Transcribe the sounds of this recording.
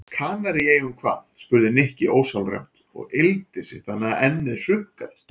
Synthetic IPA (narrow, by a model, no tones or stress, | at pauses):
kʰaːnaɾɪeːjʏmkʰva̰ːt̪spʏɾðɪnɪhcɪʔoːwsawlrɛ̰m̥t̪ | ɔ̰ɣɪlt̪ɪsɪθʰanːaʔɛnːɪðr̥ʏkːal